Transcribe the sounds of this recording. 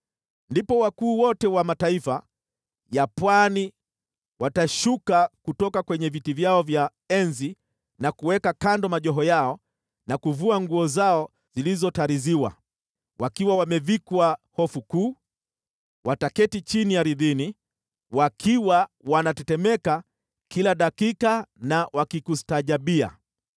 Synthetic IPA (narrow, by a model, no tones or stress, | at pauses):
ndipɔwakuːwɔtɛwamataifa | japwani | wataʃukakutɔkakwɛɲɛvitivjaɔvja | ɛnzi | nakuwɛkakandɔmaʄɔɦɔjaɔ | nakuvuaŋɡuɔzaɔ | zilizɔtaɾiziwa̰ | wakiwawamɛvikwahɔfukuː | wʔatakɛtit͡ʃinijaɾiðini | wakʰiwawanatɛtɛmɛka | kilaɗakikanawakikustaʄaɓia̰